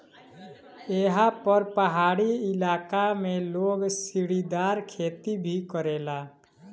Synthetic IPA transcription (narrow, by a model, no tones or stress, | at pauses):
eːɦapəɾpəɦaːɽiɪlaːkamẽloːɡsiɽid̪aːɾkʰeːt̪ibʱikəɾeːlaː